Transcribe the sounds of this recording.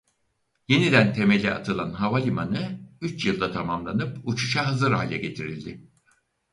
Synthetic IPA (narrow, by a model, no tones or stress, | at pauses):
je̞nid̪ænt̪ʰe̞me̞lʲɛa̰t̪ʰɯlˠanɦavalʲimanɯyt͡ʃjɯlˠd̪at̪ʰamamlˠanɯput͡ʃʰu̥ʃaɦɯzɯɾɦa̰ːlʲɛɟe̞t̪ʰiɾilʲd̪ɪ